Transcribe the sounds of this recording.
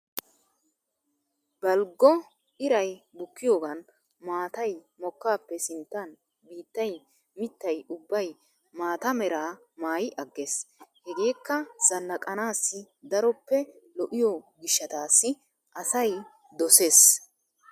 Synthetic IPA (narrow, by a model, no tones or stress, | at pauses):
bɐlɡːɔ | ɪɾɐjbʊkːɪjoːɡɐn | maːt̪ɐj | mɔkːaːpːɛsɪnt̪ːɐn | biːt̪ːɐj | mɪt̪ːɐjʊbːɐj | maːt̪ɐmɛɾaː | maːjɪʔɐɡːeːshɛɡe̞ːkːɐz̥ɐnːɐkʼɐnaːsːɪ | d̪ɐɾɔpːɛlɔʔɪjɔɡɪʃːɐt̪aːsːɪ | ʔɐsɐj | d̪ɔse̞ːs